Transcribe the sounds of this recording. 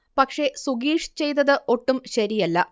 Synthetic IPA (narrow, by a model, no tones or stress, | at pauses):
pɐkʂe̞suɡiːʂt͡ɕe̞jt̪ːɐðɨʔo̞ʈːumɕɐɾijɐlːɐ